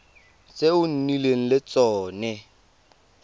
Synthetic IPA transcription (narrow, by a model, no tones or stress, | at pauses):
t͡seʊn̩nileŋ̩lɪt͡sʼɔːnɛ